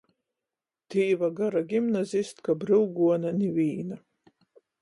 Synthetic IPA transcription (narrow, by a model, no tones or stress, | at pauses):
t̪iːvaɡaɾaɡʲimnazʲist̪kabɾɨlɡuɔnanʲivʲiːna